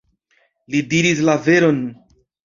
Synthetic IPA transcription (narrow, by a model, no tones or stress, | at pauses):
lidiɾis̬lave̞ɾo̞n